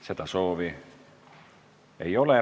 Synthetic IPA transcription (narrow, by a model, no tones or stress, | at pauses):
se̞d̪ɑso̞ːvi | ejo̞le